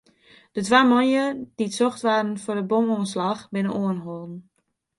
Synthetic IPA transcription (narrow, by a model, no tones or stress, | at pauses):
d̥ətʋaːmɔnjəd̥itsɔxtʋaːrn̩fʊdəbomoənslaxbɪnənoənɦolˠdn̩